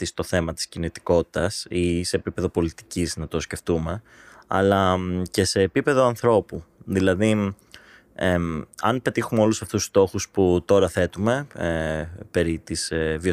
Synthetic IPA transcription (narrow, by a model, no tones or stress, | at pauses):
t̪ist̪o̞θe̞mɐt̪i̥scinit̪i̥ko̞t̪i̥t̪ɐsise̞ːpipe̞ðo̞po̞lit̪i̥ciznɐt̪o̞sce̞ft̪ume̞ | ɐ̰lɐce̞se̞ːpipe̞ðo̞ɐnθɾo̞puðilɐði | eɐnpe̞t̪ixumeo̞lusɐft̪usst̪o̞xusput̪o̞ɾɐθe̞t̪ume̞ | pe̞ɾit̪isvio